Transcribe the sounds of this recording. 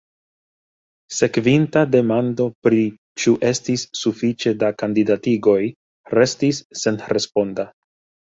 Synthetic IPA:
se̞kvintade̞mando̞pɾi | t͡ʃuʔe̞stisːufit͡ʃe̞dakandidatiɡo̞j | ɾe̞stisːe̞nɾe̞spo̞nda

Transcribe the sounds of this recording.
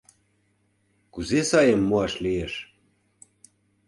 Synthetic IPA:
kuzesɑjemːuɑʃlieʃ

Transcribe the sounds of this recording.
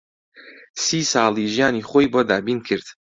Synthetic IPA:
siːsɑːlˠiʒijaːniːχoːjbod̪aːbiːnkʰɨɾd̪̥

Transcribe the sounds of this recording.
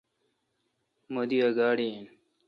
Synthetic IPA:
mod̪iɐɡaːɽien

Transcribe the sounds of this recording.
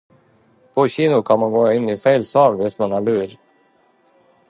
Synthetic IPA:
pʰɔɕiːnʊkʰɑnmanɡoːɪnːɪfɛɪlsɑːlvɪst̪mɑnæɭʉːɾ

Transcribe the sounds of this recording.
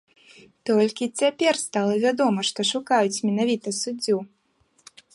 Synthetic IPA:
t̪ɔlʲkʲit͡sʲapʲɛrst̪alˠɐvʲad̪ɔmɐʂt̪ɔʂukajut͡sʲmʲɛnavʲit̪ɐsud͡zʲːu

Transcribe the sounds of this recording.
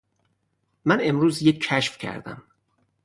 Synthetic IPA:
mæne̞mɾuːzjekːʰæʃfcʰæ̰ɾd̪æ̰m

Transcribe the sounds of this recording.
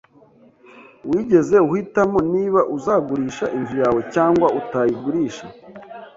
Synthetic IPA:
wiːɟe̞ze̞uhitamo̞niːβaʔuzaːɡuɾiːʃaʔinzujaːwe̞caːŋɡwautajiɡuɾiːʃa

